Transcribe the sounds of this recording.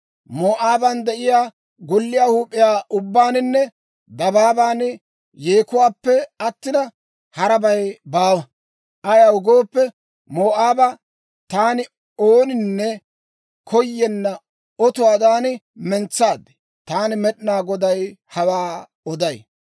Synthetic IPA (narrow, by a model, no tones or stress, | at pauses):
moːʔaːbɐnd̪ɛʔɪjaː | ɡɔlːɪjaːhuːpʼːɪjaːʔʊbːaːnɪnːɛ | d̪ɐbaːbaːn | jeːkʊwaːpːɛɐt̪ːɪnɐ | hɐɾɐbɐjbaːwɐ | ʔɐjaʊɡo̞ːpːɛ | moːʔaːbɐ | t̪aːnɪ | oːnɪnːɛ | kʰɔjːɛnːɐ | ɔt̪ʊwaːd̪aːnɪ | mɛnt͡sːaːd̪ɛ̥ | t̪aːnɪmɛɗɪnaːɡɔd̪ɐjhɐwaː | ɔd̪ɐj